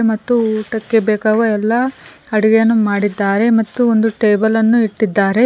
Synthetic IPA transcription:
mɐt̪ːuuːʈɐkːebeːkaːʋɐɛlːɐ | ɐɽiɡejɐnːumaːɽid̪ːaːɾe̞mɐt̪ːuond̪uʈeːbɐlɐnːuiʈːid̪ːaːɾe̞

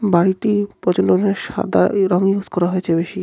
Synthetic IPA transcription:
baɾiʈipɔt͡ɕonɖoneɾʃa̰d̪a̰ɾɔŋiuskɔɾaɦoet͡ɕʰebeʃi

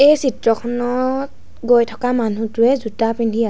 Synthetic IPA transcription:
ejsitɹɔkʰɔnɔt | ɡojtʰɔ̥kamanutʊɛzutapindʱia

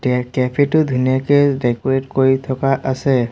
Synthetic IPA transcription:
dɛkɛpʰetʊd̪ʱunijakezdɛkɔɹetkoɹit̪ʰɔkaʔasɛ

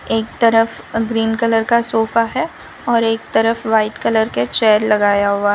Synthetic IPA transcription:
eːk̚t̪ɐɾəf | ɡɾiːnkələɾkasoːfaɦɛ | ɔːɾeːk̚t̪ɐɾəfʋaːɪʈkɐləɾket͡ʃɛːɾlɐɡaːjaɦuaːɦ

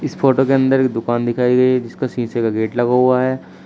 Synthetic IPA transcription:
ɪsfʰoːʈokeɐ̃nd̪əɾek̚d̪ʊkaːnd̪ɪkʰaːiɡɐiɦɛd͡ʒɪskasĩːsekaɡeːʈlɐɡaɦuaɦɛː

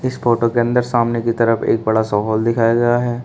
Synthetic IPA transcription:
ɪsfoːʈokeɐ̃nd̪əɾsaːmnekit̪ɐɾəfḛːk̚bɐɽasɔːɦɔːld̪ɪkʰaːjaɡɐjaɦɛː

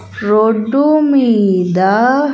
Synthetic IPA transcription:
ɾoɖumid̪a

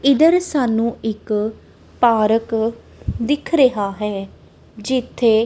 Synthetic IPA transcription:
ɪd̪əɾsaːnũːɪk | paːɾək | d̪ɪkʰɾəɦaːɦɛː | d͡ʒɪt̪ʰːeː

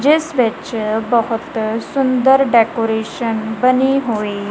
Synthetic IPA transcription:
d͡ʑesʋet͡ɕbəɦut̪sund̪əɾɖɛkoɾeɕənbəniɦoe

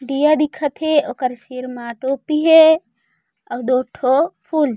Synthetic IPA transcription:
ɖijad̪ikʰət̪ʰɦeokəɾsiɾmaʈopiɦe | əwd̪oʈʰopʰul

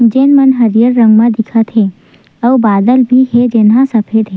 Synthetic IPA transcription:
d͡ʒeːnmɐnɦɐɾjəɾːɐ̃ŋɡmãd̪ɪkʰət̪ɦe | ɐʋbaːd̪əlbʱiɦed͡ʒeːnɦãsɐpʰeːd̪ɦe

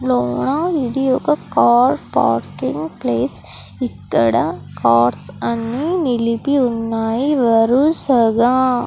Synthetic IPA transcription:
loːɳaːʋiɽijoːkɐkaːɾpa̰ːɾkɪŋɡpleːs | ɪkːɐɽɐkaːɾsɐnːinɪlipːiʊnːaːjiʋɐɾusɐɣa

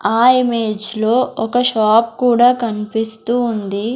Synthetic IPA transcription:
aːimeːd͡ʒlo̞ːʔɔkɐʃaːp̚kuːɽaːkɐnipist̪uːnd̪i

